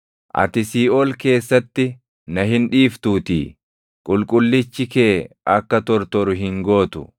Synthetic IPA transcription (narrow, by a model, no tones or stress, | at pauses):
ʔɐ̰t̪ɪsiːʔɔːlke̞ːsːɐt̪ːɪ | nɐɦɪnᶑiːft̪uːt̪ḭː | kʼʊlkʼʊlːɪt͡ʃːɪkeːɐkːɐt̪ɔɾt̪ɔɾʊɦɪŋɡoːt̪ʊ̰